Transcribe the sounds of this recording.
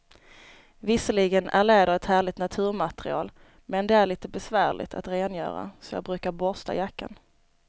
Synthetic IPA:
vɪsəɭɪɡənæ̰ɭeːd̪əɾvɛt̪hæːɭɪt̪nat̪ʰʉ̟ːɾmat̪ɛɾɪɑ̰ːl | mɛnd̪ɛæɭiːt̪əbɛsvæːɭɪ̰t̪ʰa̰t̪ɾeːnjœ̰ːɾa̰sɔjɑ̰ːbɾʉ̟ːkaɾbɔst̪a̰jakːa̰n

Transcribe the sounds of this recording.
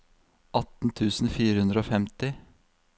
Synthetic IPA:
ʔɑt̪n̩t̪ʰʉːsn̩fiːɾəhʉnd̪ɾəoːfɛmt̪ɪ

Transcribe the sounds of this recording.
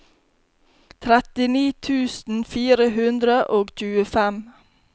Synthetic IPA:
t̪ʰɾɛt̪ɪniːt̪ʰʉːsn̩fiːɾəhʉnd̪ɾəʔoːɡc͡çʉːəfɛm

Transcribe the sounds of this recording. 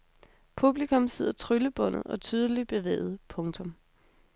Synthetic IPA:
pʰub̥likʰɔ̽mse̝ð̞̰ˠɐt͡sʰʁyləb̥ɔ̽n̰ð̩ˠɒ̽t͡sʰyːð̞ˠəlib̥e̝ʋḛːð̩ˠpʰɔ̽ŋt͡sʰɔ̽m

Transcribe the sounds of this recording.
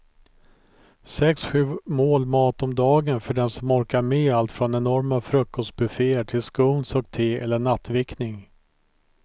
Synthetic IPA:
sɛksɧʉ̟ːmoːlmɑːt̪ɔmd̪ɑːɡənfœɖɛnsɔmɔɾkaɾmeːalt̪fɾɔnɛnɔɾmafɾɵkʰːɔst̪̚bɵfeːəʈʰɪlskuːnsɔkt̪ʰeːɛlːəɳat̪ːvɪknɪŋ

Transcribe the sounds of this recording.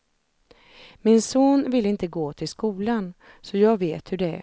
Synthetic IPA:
mɪnsoːnvɪlːɪnt̪əɡoːt̪ʰɪlskuːlan | sɔjɑːɡveːt̪hɵɖɛæ̰

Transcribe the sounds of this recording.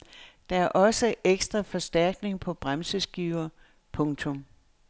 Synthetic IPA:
d̥ɑ̈æɐʔɒ̽səeɡ̥sd̥ʁɐfɒ̽sd̥æɐ̰ɡ̥ne̝ŋpʰɒ̽b̥ʁamsəsɡ̥iʊɐ | pʰɔ̽ŋt͡sʰɔ̽m

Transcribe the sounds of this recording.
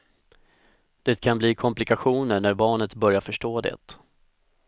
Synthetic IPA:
d̪̥ɛt̪kʰanbliːkʰɔmplɪkaɧuːnəɳæɾbɑːɳət̪bœɾjaɾfœʂʈoːd̪ɛ̰t̪

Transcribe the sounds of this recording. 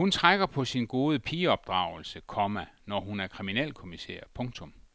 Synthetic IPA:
hunt͡sʰʁaɡ̥ɐpʰɒ̽sinɡ̥o̝ːð̞ˠəpʰiːɒ̽b̥̚d̥ʁɑ̰̈ʊl̩səkʰɒmænɒɦunæɐkʰʁiminɛ̰ːlkʰo̝misḛːɐ̰pʰɔ̽ŋt͡sʰɔ̽m

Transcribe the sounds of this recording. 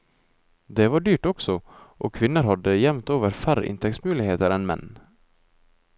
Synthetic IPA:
d̪ɛvɑɖyːʈɔksɔʔɔkʰʋɪnːəɾhad̪ːəjɛmt̪oːvəɾfæɾə̰ʔɪ̰nt̪ʰɛksmʉːlɪɡheːt̪əɾɛnmɛ̰nː

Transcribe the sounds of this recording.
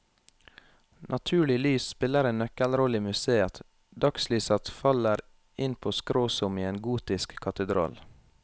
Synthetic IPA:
nʔɑt̪ʰʉːɭɪlyːsspɪləɾeːnnœkəlɾɔliːmʉseːət̪ | d̪ɑkslyːsɑt̪fɑləɾ | ɪnpʰoːskɾoːsʊmiːeːnɡuːt̪ɪskʰːɑt̪əd̪ɾʔɑ̰ːl

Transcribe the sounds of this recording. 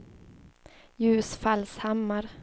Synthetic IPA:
jʉ̟ːsfalshamːaɾ

